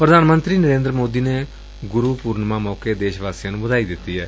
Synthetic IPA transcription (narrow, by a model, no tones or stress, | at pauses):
pɾəd̪aːnmənt̪ɾiːnəɾẽːnd̪ɾəmoːd̪iːneː | ɡʊɾuːpuːɾnmãːmɔːkeːd̪eːʃʋaːsjãːnũːbəd̪aːiːd̪ɪt̪ːiːɦɛː